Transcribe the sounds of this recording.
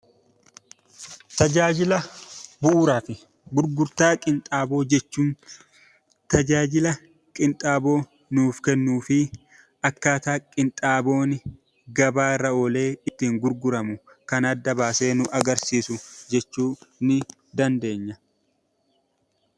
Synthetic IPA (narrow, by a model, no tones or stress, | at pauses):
t̪ɐd͡ʒaːd͡ʒɪlɐbʊʔʊɾaːfɪ | ɡʊɾɡʊɾt̪aːkʼɪnt̪ʼaːbo̞ːd͡ʒɛt͡ʃːuːn | t̪ɐd͡ʒaːd͡ʒɪlɐ | kʼɪnt̪ʼaːbo̞ː | nuːfkɛnːuːfɪ | ɐkːaːt̪aːkʼɪnt̪ʼaːbo̞ːnɪ | ɡɐbaːɾɐɔle̞ːɪt̪ːiːŋɡʊɾɡʊɾɐmʊ | kɐnɐd̪ːɐbaːse̞ːnʊʔɐɡɐɾsiːsʊd͡ʒɛt͡ʃːuːnɪ | d̪ɐnd̪e̞ːɲːɐ